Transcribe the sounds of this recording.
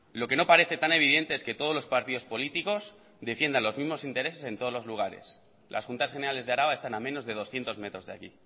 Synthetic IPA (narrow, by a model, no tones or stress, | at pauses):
lo̞ke̞no̞paɾe̞θe̞t̪ane̞βið̞e̞nt̪e̞eske̞t̪o̞ð̞ozlospaɾt̪iðo̞spo̞lit̪iko̞s | ðe̞fje̞nd̪anlo̞zmizmo̞sint̪e̞ɾe̞se̞se̞nt̪o̞ðlo̞zluɣ̞aɾe̞̰s | lʔa̰sxunt̪asxene̞ɾale̞zðeaɾaβaest̪anamẽ̞no̞zðe̞ð̞o̞sθje̞nt̪o̞zme̞t̪ɾo̞zðeakḭ